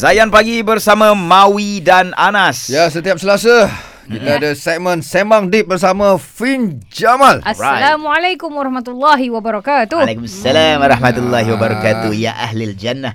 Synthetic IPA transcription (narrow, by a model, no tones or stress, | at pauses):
zajanpaɡibərsamãmawidananasjas̬ət̪iap̚səlasa | d͡ʒinadəsɛk̚mə̃nsemaŋdip̚bərs̬amãfind͡ʒamalsraalamualajkumwaɾɑhmat̪ulːaɦiwabaɾɔkat̪ulakumasːalamwaɾɑhmat̪ulːaɦiwabəɾakat̪uja̰ʔa̰ɦlild͡ʒanːah